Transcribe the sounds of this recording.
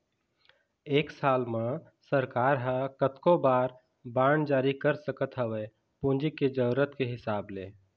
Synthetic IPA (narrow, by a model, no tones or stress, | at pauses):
eːksaːlmã | səɾkaːɾɦə̃kət̪kobaːɾ | baːɳd͡ʒaːɾikəɾsəkət̪ɦəwɛː | pũnd͡ʒiked͡ʒəɾət̪keɦɪsaːbleː